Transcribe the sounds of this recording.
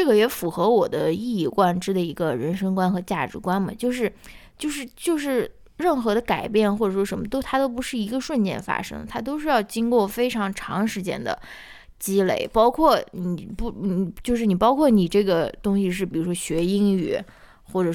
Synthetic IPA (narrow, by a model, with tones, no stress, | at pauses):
ʈ͡ʂɤ˥˩ɡə˩jɛ˧˥fu˧˩xɤ˧˥wɔ˨˩d̪ə˦i˥˧i˥˩kwa˥˩nʈ͡ʂɻ̩˥d̪ə˨i˧˥ɡə˧ɻə˧˥nʂɤ˥ŋkwa˥nxɤ˧˥t͡ɕja̰˥˩ʈ͡ʂɻ̩˧˥kwa˥nmɐ̰˨t͡ɕjo˥˧ʊʂɻ̩˥˧t͡ɕjo˥˧ʊʂ̬ɻ̩˥˧t͡ɕjo˥˧ʊʂɻ̩˥˧ | ɻə˥˩nxɤ˧˥d̪ə˧ka˨˩ɪpjɛ˥˧nxwɔ˥˩ʈ͡ʂɤ˨˩ʂwɔ˥ʂə˧˥nmə˧t̪o˥ʊt̪ʰa˥t̪o˥ʊp̬u˧˥ʂɻ̩˥˩i˧˥ɡə˧ʂwə˥˧nt͡ɕjɛ̰˥˩nfa̰˥ʂɤ̰˥ŋə˨t̪ʰa˥t̪o˥ʊʂɻ̩˥˧jɑ˥˩ʊt͡ɕi˥ŋkwɔ˥˩fe˥ɪʈ͡ʂʰɑ˧˥ŋʈ͡ʂʰɑ˧˥ŋʂɻ̩˧˥t͡ɕjɛ̰˥nd̪ə̰˨˩ | t͡ɕi˥lḛ˥˩ɪpɑ˥ʊkʰwɔ˥˩ni˨˩pu˧˥n˨˩t͡ɕjo˥˧ʊʂ̬ɻ̩˥˩ni˨˩pɑ˥ʊkʰwɔ˥˩ni˨˩ʈ͡ʂɤ˥˩ɡə˩t̪ʊ˥ŋɕi˨˧ʂ̬ɻ̩˥˩pi˨˩ɻu˧˥ʂwɔ˥ɕɥɛ˧˥i˥ŋy̰˧˩ | xwɔ˥˩ʈ͡ʂɤ˨˩